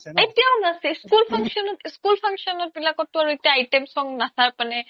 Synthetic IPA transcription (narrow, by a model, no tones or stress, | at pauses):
etijaɔnasɛskulpʰaŋsɔnɔtskulpʰaŋsɔnɔt̚bilakɔtːʊaɹuetijaːjtemsɔŋnasaɹpanɛ